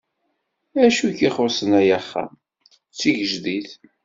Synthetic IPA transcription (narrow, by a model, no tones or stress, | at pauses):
æʃuçiχʊɾsənæjæχːa̰ | t͡sːiʝəʒðiθ